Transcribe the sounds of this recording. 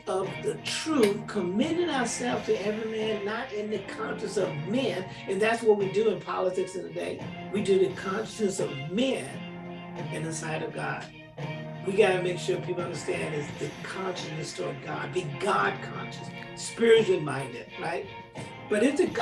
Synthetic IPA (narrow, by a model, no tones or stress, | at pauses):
ʌvðɨtʰɹ̥ʉθkʰəmɪnɪ̃ɾaəsɛlˠvz̥tʰɨɛvɹimæ̃nːəɾʔɪ̃nðɨkʰɑ̃nt͡ʃɨsʌvmɛ̃n | ɨ̃nðætswʌt̚widɨɨ̃npʰɑ̰lˠətɪksɨ̃nðɨdḛɪ | widɨðɨkʰɑ̃nʃɨ̥snɨsʌvmæ̃n | ɨ̃nðɨsaɪɾʌvɡɑ̰d̥ | wiɡɑɾɨmeɪkʃʊɹpʰipl̩ˠʌ̃ndə˞stæ̃nɨzðɨkʰɑ̃nʃɨnɨstə˞ʌvɡɑ̰d̚biɡɑd̚kʰɑ̰̃nʃɨs | spɪɹɨt͡ʃˠmãɪ̃ndɨ̰d̥̚ɹaɪt̚ | b̥ʌɾɨfðɨ